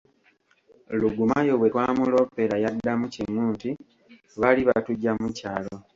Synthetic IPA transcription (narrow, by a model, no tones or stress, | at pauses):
luɡumajoβwe̞twaːmulo̞pːeɾajadːamuciŋːuːnti | βaliβa̰tuɟːamucaːlo̞